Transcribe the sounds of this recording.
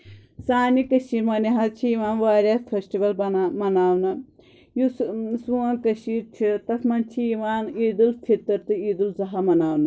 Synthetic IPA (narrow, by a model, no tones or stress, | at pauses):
saːnikɐʃiɾmɐniɦɐt͡ʃʰiiʋaːnʋaːɾʲapʰesʈiʋɐlbɐmɐnaːwnɐ | jusuɐnkɐʃiɾt͡ʃʰit̪ɐsʰmɐnt͡ʃʰiiʋaːniːd̪ulst̪ʰit̪ːɐɾt̪ɨiːd̪ulzɐɦamɐnaːwnɐ